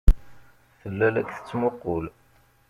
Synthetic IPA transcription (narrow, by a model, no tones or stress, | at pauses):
θəlːælækθə̥t͡sːmʊqːol